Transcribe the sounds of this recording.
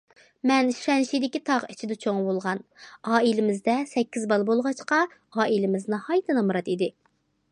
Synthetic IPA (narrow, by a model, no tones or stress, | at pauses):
mɛnʃʃɛnʃid̪ɪkʲit̪ʰɑʁit͡ʃʰid̪ɛt͡ʃʰoŋbolˠʁɑnɑːilɪmɪzd̪ɛsɛkʲːizbɑlˠbolˠʁɑt͡ʃqɑ | ɑːʔilɪmɪznɨhɑjt̪ʰɨnɑmɾɑt̪id̪ɪ